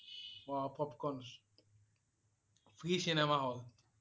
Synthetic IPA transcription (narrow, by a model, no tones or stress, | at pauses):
wapɔpkɔns | fɾisinɛmaɦɔl